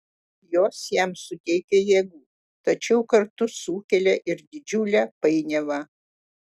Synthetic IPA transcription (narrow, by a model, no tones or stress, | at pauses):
joːsjæmsʊt̪ʲɛɪkʲɛjeːɡuː | t̪ɐt͡ʃʲɛʊkɐɾt̪ʊsuːkʲɛlʲɛʔɪɾd̪ʲɪd͡ʒʲʊlʲɛpɐɪnʲɛʋɑ